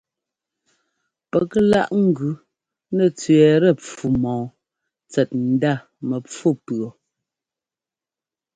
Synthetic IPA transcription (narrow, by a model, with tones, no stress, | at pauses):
pɛ˨kə˦la̰˦˨ʔŋ̩˦˨ɡʉ˨ | nɛ˨t͡sɥɛ˨ɾɛ˦˨p͡fu˨mɔ̃ː˨ | t͡sɛ˨t̚n̩˨da˦˨ | mɛ˨p͡fu˦˨pɰɔ˨